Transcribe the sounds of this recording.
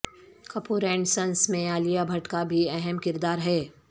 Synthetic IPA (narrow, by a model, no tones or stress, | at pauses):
kɐpuːɾɛ̃ːɳɖsɐ̃nsmẽaːlijabʱɐʈkabʱiɛɦɛmkɪɾd̪aːɾɦɛː